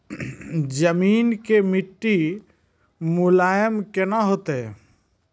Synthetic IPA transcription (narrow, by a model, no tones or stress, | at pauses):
d͡ʒəmiːnkemɪʈːi | mʊlaːjəmkenaɦoːt̪ɦe